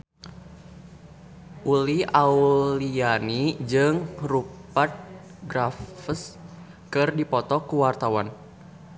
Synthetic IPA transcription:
ʔuliaulianid͡ʒɨŋɾupat̪̚ | ɡɾafəs | kɨrdipɔt̪ɔkuwart̪awan

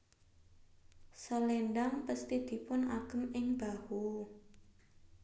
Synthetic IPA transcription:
səlenɖaŋpəst̪id̪̥i̤pʊnaɡ̥əmɪŋbahu

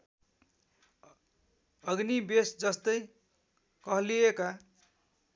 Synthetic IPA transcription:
ʌɡnibesd͡zʌst̪ʌj | kʌɦlieka

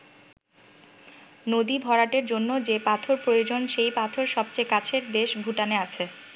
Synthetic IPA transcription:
nod̪ibʱɔɾaʈeɾd͡ʑonːod͡ʑepat̪ʰoɾpɾojod͡ʑonʃejpat̪ʰoɾʃɔb̚t͡ɕajkat͡ɕʰeɾd̪eʃbʱuʈaneat͡ɕʰe

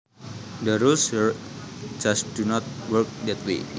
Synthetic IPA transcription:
dəɾulsəɹd͡ʒasd̥unɔt̪̚wəɹk̚dɛt̪wḛ

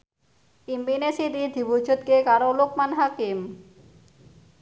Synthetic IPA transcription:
imbinesiɾid̪ʱibud͡ʒut̪̚kekaɾolok̚manɦakim

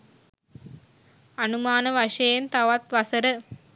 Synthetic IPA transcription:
ɐnumaːnɐʋɐʂɐjɐnt̪ɐʋɐt̪ʋɐsɐɾɯ

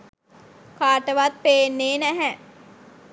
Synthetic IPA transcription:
kaːʈəʋat̪̚peːnːeːnɛɦɛ

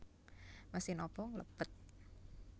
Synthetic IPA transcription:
masɪhnɔpɔŋlə̰pət̪̚

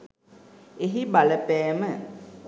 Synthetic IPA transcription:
eɦibaləpɛːmə

